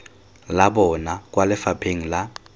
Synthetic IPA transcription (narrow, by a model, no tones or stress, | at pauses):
labɔnak̬ʼwalɪfapʰeŋ̩la